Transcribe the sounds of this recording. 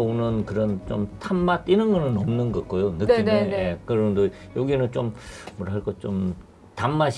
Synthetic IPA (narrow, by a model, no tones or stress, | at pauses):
onɯnkɯɾʌnt͡ɕomtʰamːatinɯnɡʌnɯnʌmnɯnɡʌɡ͈ojonɯkneneeekɯɾʌdojoɡinɯnt͡ɕommʌɾɦaɭk͈ʌt͡ɕom | tamːaɕ